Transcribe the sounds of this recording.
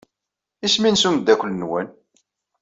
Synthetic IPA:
isminsumd̪ːækʷlnwæ̰n

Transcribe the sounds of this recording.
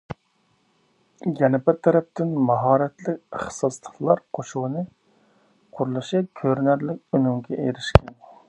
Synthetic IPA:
jɛnɪpɪt̪ʰɛɾɛp̚t̪ɪnmɑɦɑːɾɛt̪lɪkʲəχsɑslˠə̥χlˠɑɾqʰoʃuwnɨ | qʰʊɾlˠɨʃɨkʲʰøɾnæɾlɪkʲynyŋɡʲɛʔeɾɪʃkʲʰɛn

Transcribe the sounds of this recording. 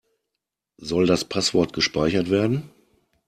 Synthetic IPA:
zɔldaspʰasv̥ɔɐtɡ̥əʃpaɪçɐtv̥eːɐdn̩

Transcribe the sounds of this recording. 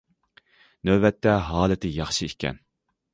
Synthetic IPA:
nøbɛt̪ʰːɛɦɑːlˠɨt̪ʰɪjɑχʃiikʲʰɛ̰n

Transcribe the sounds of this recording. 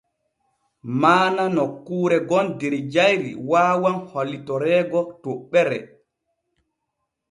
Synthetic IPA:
maːnanokːuːɾɛɡɔndeɾid͡ʒajɾḭwaːwanhɔlːitɔɾɛːɡɔtoɓːɛɾɛ̰

